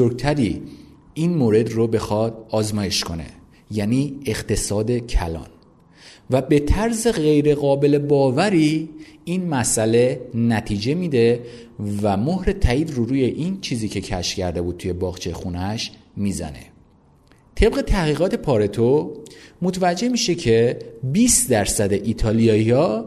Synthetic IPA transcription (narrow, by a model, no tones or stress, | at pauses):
oɾɡ̚t̪ʰæɾi | inmoːɾe̞d̪robe̞xɒːd̪̥ɒːzmɒːje̞ʃkʰo̞ne̞̰ | jæniːeɣt̪ʰe̞sɒːd̪e̞cʰæ̰lɒ̰ːn | væbe̞t̪ʰæɾze̞ɣe̞jɾe̞ɣɒːbe̞le̞bɒːvæɾiːinmæsʔæle̞næt̪ʰiːd͡ʒe̞miːd̪e̞ | væmohɾe̞t̪ʰæiːd̪ɾuɾuːje̞ʔint͡ʃʰiːziːcʰe̞cʰæ̰ʃcʰæɾd̪e̞buːd̪̚t̪ʰuje̞bɒːɣt͡ʃʰejexunæʃ | miːzæ̰ne̞̰ | t̪ʰe̞bɣe̞t̪ʰæhɣiːɣɒːt̪ʰe̞pʰɒːɾe̞t̪ʰomot̪ʰvæd͡ʒːe̞miːʃe̞cʰe̞biːsd̪æɾsæd̪e̞ʔit̪ʰɒːlijɒːiɒ